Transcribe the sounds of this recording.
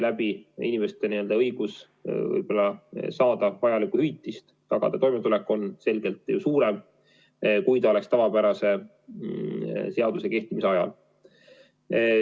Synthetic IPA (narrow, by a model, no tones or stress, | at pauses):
læb̥iḭnʲime̞st̪e̞niø̞ld̪ɑɤ̞jɡ̥us | vɤ̰jb̥o̞lːɑsɑːd̪̥ɑvɑjɑlikːuhyjt̪ːˑist̪ | t̪ɑɡ̥ɑ̰d̪̥ɑt̪o̞jmet̪ulekːˑo̞nse̞lɡ̥e̞lt̪ːˑjusuːɾe̞m | kujt̪ɑo̞le̞kst̪ɑvɑpæɾɑse̞ | se̞ɑd̪use̞ke̞ht̪imiseɑjɑ̰l